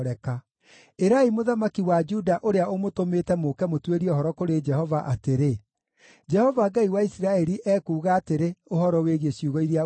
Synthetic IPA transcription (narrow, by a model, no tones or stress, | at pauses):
ɾɛka | eɾaimoðamakiwad͡ʒudaʔoɾeaomotomeːtɛmokɛmotweɾiɔɦɔɾɔkoɾed͡ʒɛhɔvaʔateɾe | d͡ʒɛhɔvaɡaiwaisiɾaɛɾiʔɛːkuːɣaːteɾeohɔɾɔweɣiesjuɣɔiɾia